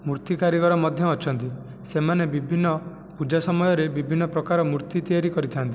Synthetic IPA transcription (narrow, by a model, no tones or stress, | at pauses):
muɾt̪ikaɾiɡɔɾɔmɔd̪ʱjɔːt͡ʃʰɔnt̪i | semanebibʱinːɔ | pud͡ʒasɔmɔjɔɾebibʱinːɔpɾɔkaɾɔmuɾt̪it̪ijaɾikɔɾit̪ʰiant̪i